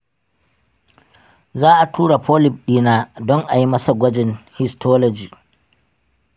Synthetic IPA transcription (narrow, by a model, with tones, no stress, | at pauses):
zaː˦ʔa˨tʰuː˦ɽa˨pʰɔː˦lɪ˨b̚ɗiː˦naː˦dɔ˦ŋʔa˨ji˦mɐ˦sa˨ɡʷɐ˦d͡ʒɪ˨nhɪ˦stʰɔː˦lɔ˨d͡ʒiː˨